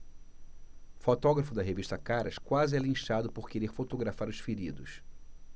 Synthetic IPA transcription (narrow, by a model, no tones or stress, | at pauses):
fot̪ɔɡɾɐfʊd̪ɐɦeviʃt̪ɐkaɾɐʃkwazɪalĩʃad̪ʊpoɾkeɾeɾfot̪oɡɾafaɾʊʃsfiɾid̪ʊs